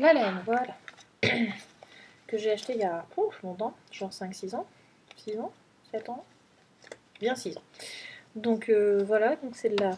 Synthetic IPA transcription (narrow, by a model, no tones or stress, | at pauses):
lalaɛnvwal | kəʒeaʃt̪ejapχofmɔ̃t̪ɑ̃ʒ̥ɑ̃ʁsɛ̃ksizɑ̃ | sizɑ̃ | sɛt̪ɑ̃ | bjɛ̃sizɑ̃ | d̪ɔ̃køvwalad̪ɔ̃ksɛd̪əla